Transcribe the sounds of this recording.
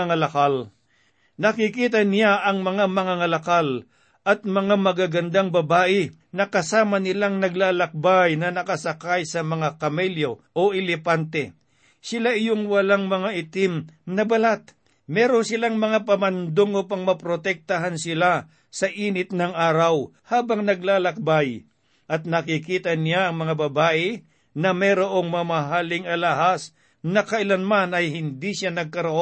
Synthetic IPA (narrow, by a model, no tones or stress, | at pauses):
ŋɐlɐkal | nɐkɪkiːt̪ɐnɪjaʔɐŋmɐŋamɐŋɐŋɐlɐkal | ʔɐt̪̚mɐŋamɐɡaɡɐnd̪aŋbɐbaːʔɪ | nɐkɐsaːmɐnɪlaŋnɐɡlaːlɐk̚bajnɐnɐkɐsɐkajsɐmɐŋakɐmɛljo̞ʔoʔɪlɛpant̪ɛ | sɪlaʔɪjoŋwɐlaŋmɐŋaʔɪt̪ɪmnɐbɐlat̪̚ | mɛːɾosɪlaŋmɐŋapɐmɐnd̪oŋopɐŋmɐpɾot̪ɛk̚t̪aɦansɪla | sɐʔiːnɪt̪̚nɐŋʔaːɾɐw | haːbɐŋnɐɡlaːlɐk̚baj | ʔɐt̪̚nɐkɪkiːt̪ɐnjaɐŋmɐŋabɐbaːʔɛ | nɐmɛɾoʔo̞ŋmɐmɐɦaːlɪŋɐlaɦas | nɐkɐʔɪlanmanɐjhɪnd̪iʃanɐɡ̚kɐɾoʔo